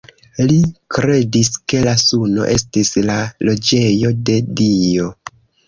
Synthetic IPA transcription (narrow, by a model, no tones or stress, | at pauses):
likɾe̞diske̞lasuno̞̰ʔe̞stislalo̞d͡ʒe̞jo̞de̞dio̞